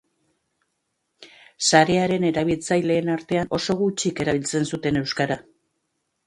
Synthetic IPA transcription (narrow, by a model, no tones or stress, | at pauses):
saɾe̞aɾe̞ne̞ɾaβ̞ilt͡sajle̞ːnaɾt̪e̞ano̞so̞ɣut͡ʃike̞ɾaβ̞ilt͡se̞nsut̪e̞ne̞wskaɾa